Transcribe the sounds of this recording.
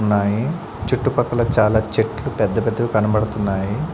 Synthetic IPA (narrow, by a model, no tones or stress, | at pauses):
nːaːji | t͡ʃuʈːupɐkːɐlɐt͡ʃaːlaːt͡ʃeʈlupɛd̪ːɐpɛd̪ːɐkukɐnɐbɐɽɐt̪unːaːji